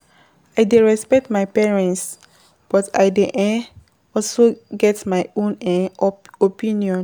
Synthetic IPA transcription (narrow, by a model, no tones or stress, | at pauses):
ajdeɹɛspɛk̚tmajpɛɹɛ̃nts | b̥ɔta̰jdeʔɛ̃n | ɔlsoɡɛtmajõnɛ̃ | opĩnjɔ̃n